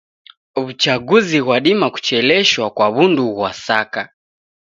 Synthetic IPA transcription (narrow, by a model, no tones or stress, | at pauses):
βut͡ʃaɡuziɣwaɗimaku̥t͡ʃɛlɛʃwakwaβunduɣwasaka